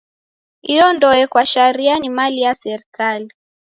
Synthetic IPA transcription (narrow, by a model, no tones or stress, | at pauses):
iɔndɔɛkwaʃaɾianimalijasɛɾikali